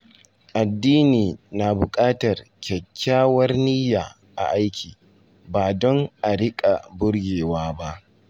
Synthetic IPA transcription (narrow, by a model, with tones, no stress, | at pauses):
ʔa˨dːiː˦niː˨na˨bʊ˨kʼaː˦tɐ˨rkʲʰɐ˨kʲʰːaː˦wɐ˦rniː˦jaː˨ | ʔa̰˨ʔa˦jkʲʰiː˨ | baː˨dɔ˦ŋʔa˨ɽɪ˦kʼa˨bʊ˦ɽɡʲeː˨waː˦ba˦ʔ